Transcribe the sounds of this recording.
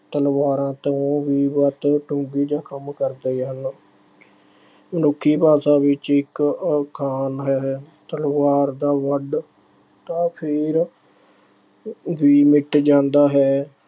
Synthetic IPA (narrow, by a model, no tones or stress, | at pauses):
t̪əlʋaːɾãːt̪õːʋiːʋət̪ʈʊ̃ːɡiːd͡ʒãːkəmkəɾd̪eːɦən | mənʊkʰːiːpaːsãːʋɪt͡ʃɪkkʰaːnɦɛːt̪əlʋaːɾd̪aːʋəɖ | t̪ãːpʰɪɾ | ʋiːmɪʈd͡ʒãːnd̪aːɦɛː